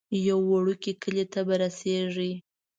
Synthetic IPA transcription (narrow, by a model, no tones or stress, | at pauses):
jawːaɽukikəlet̪abaɾaseʐi